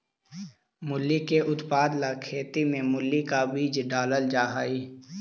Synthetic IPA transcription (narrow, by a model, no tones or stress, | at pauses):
mʊlːikeʔʊt̪paːd̪lakʰeːt̪imẽmʊlːikabiːd͡ʒɖaːləld͡ʒaːɦaːiː